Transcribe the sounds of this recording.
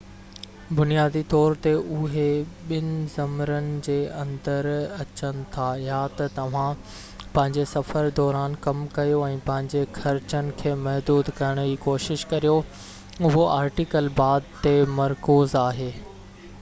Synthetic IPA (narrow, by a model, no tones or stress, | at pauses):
bʊnijaːd̪it̪ɔːɾt̪eʊɦeɓɪnɪ̆zɐmɾənɪ̆d͡ʑeːɐ̃nd̪əɾɐt͡ɕənɪ̆t̪ʰajat̪ɐt̪ɐʋ̤ã | pɐ̃ɦɪ̃ɲd͡ʑesɐfəɾd̪ɔːɾaːnkɐmkɐjoɛ̃ːpɐ̃ɦɪ̃ɲd͡ʑexɐɾt͡ɕənɪ̆kʰeːmɛɦd̪uːd̪kɐɾəɽ̃d͡ʑiːkoːʃɪʃkɐɾijo | ʊɦoʔaːɾʈikəlbaːd̪t̪emɐɾkoːzaːɦeː